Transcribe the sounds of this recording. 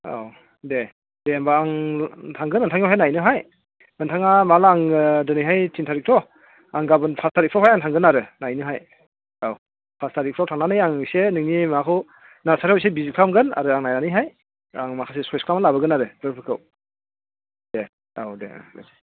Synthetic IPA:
a̰w | de | dembaaŋtʰaŋɡɯnɯntʰaŋawɦajnajnɯɦaj | ɯntʰaŋamalaŋdɯnɯjɦajtʰintʰaɾik̚tʰɔ | aŋɡabɯnpʰastʰaɾik̚pʰɾawɦajaŋtʰaŋɡɯnaɾɯnajnɯɦaj | aw | pʰastaɾik̚ʰɾawtʰaŋnanɯjaŋsenɯŋnimakʰɯw | nasaɾws̬ebizikʰlamɡɯna̰ɾɯaŋnajnanɯjɦaj | aŋmakʰasesɔjskʰlamanlabɯɡɯnaɾɯbɯɾpʰɯkʰɯw | de | awdḛḛ

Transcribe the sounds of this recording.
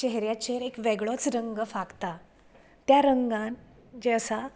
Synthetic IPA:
t͡ɕeɦɾjat͡ɕeɾekʋeɡɭot͡sɾəŋɡəfaɡt̪a | t̪jaɾəŋɡãn | d͡ʑeəsa

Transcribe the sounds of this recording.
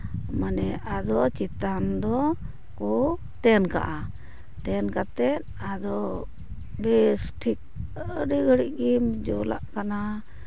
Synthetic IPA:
manɛʔad̪ɔt͡ʃit̪and̪ɔ | kɔ | t̪ɛnka̰ʔa | t̪ɛnkat̪ɛt̪̚ | ad̪ɔ | besʈʰik̚əɖiɡʱəɽiʔɡimd͡ʒula̰ʔkana

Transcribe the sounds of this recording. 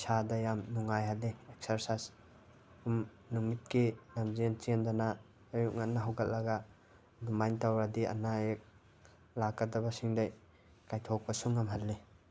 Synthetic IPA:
sadajamnuŋajɦalːeek̚sɐɾsajs | um | numit̚kilamzent͡ʃendana | ajuk̚ŋatnaɦawɡal̚lɐɡa | dumajntawɾadia̰naek̚ | lakːadabasiŋdaj | kajtʰok̚pasuŋamɦalːe

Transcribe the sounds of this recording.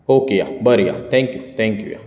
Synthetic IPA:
oːkeja̰bɐɾija̰t̪ʰɛ̃ŋkjut̪ɛ̃ŋkjṵja̰

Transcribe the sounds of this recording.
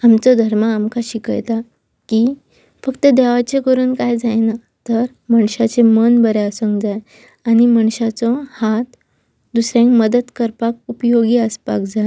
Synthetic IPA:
amt͡sɔd̪ʱəɾmaːmkaɕikə̰jt̪a | ki | fəkt̪əd̪ɛʋat͡ɕekəɾuːnkajd͡zajna | t̪əɾ | məɳɕat͡semənbəɾeəsəŋkd͡zaj | añiməɳɕat͡sɔhat̪ | d̪usɾãŋkməd̪əd̪kəɾpak̚upəjoɡiːəspa̰kd͡za

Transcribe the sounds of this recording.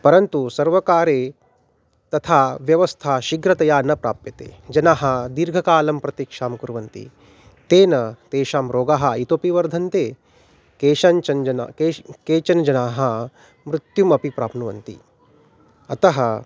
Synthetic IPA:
pɐɾɐnt̪usɐɾʋɐkaːɾeː | t̪ɐt̪ʰaːʋjɐʋɐst̪ʰaːʃiɡɾɐt̪ɐjaːnɐpɾa̰ːpjɐt̪ḛːd͡ʒɐnaːɦɐd̪iɾɡʱɐkaːlɐmpɾɐt̪ikʂaːmkuɾʋɐnt̪ḭ | t̪eːnɐt̪eːʃaːmɾoːɡaːɦɐit̪oːpiʋɐɾd̪ʱɐnt̪eː | keːʃaːnt͡ʃɐnd͡ʒɐnakekeːt͡ʃɐnd͡ʒɐnaːɦɐ | mɾut̪jumɐpipɾaːpnuʋɐ̰nt̪ḭ | ɐt̪ɐɦɐ

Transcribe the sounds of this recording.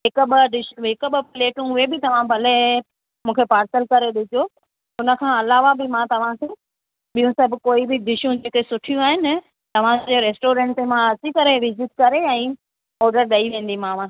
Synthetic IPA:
ɦɪkɓɖɪʃɦɪkɓpɪleːʈũʊebɪt̪ɐʋ̤ãbʱɐle | mũːkʰepaːɾsəlkɐɾeɗɪd͡ʑo | ʊnə̆kʰãɐlaːʋabɪmãt̪ɐʋ̤ãkʰe | ɓijũsɐbɪkoːibɪd̪ɪʃũd͡ʑeːkesʊʈʰijũaːɦɪnɪ | t̪ɐʋ̤ãd͡ʑeɾeːsʈoːɾɛ̃ːʈemãɐt͡ɕikɐɾeʋɪzɪt̪̚kɐɾeɛ̃ː | ɔːɾɖəɾɗɐiʋẽːn̆d̪imãːʋã

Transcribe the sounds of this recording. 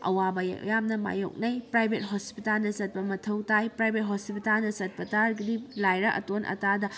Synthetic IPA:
ɐ̰wabɐjɐ̰kjamnɐma̰jo̰k̚nɐjpɾajbʱet̚ɦospitalnɐsɐt̚pɐmɐtʰɐwtajpɾajbʱet̚ɦosipitalnɐsɐt̚pɐtalɡidilajɾɐʔɐ̰tonʔɐ̰tadɐ

